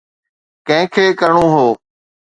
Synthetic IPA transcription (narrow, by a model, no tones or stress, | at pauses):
kə̃ɦɪ̃kʰeːkəɾɳõːɦoː